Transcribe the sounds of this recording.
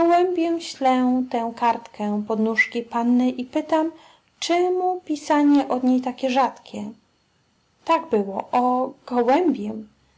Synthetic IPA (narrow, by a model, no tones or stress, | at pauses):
ɔwɛmʲbʲjɛmɕlɛwt̪ɛ̃w̃kaɾt̪kɛ̃pɔd̪nuʂkʲipanːɘʔipɘt̪am | t͡ʂɛmupʲisaɲɛʔɔd̪ɲejt̪akʲɛʐat̪kʲɛ | t̪aɡbɘwɔʔɔɡ̥ɔwɛmbʲjɛm